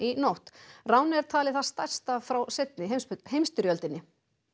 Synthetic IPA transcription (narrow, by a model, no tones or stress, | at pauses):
inowht̪raːwnɪɛɾ̥t̪ʰaːlɪθaðst̪ajr̥st̪afɾawset̪̚nɪɦemsɦejmst̪ʏɾjœlt̪ɪnːɪ